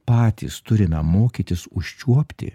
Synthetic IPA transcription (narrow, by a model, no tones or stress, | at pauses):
pɑːt̪ʲḭst̪ʊɾʲɪnɐmoːkʲit̪ʲɪsʊʃʲt͡ʃʲuɔpʲt̪ʲɪ̰